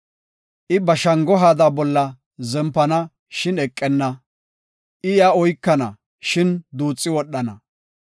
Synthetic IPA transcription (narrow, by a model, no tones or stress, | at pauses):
ʔɪbɐʃɐŋɡɔɦaːd̪aːbɔlːɐ | zɛmpːɐnɐ | ʃɪnɛkʼːɛnːɐ | ʔɪjaɔjkːɐnɐ | ʃɪnd̪uːt͡sʼːɪwɔɗːɐnɐ̰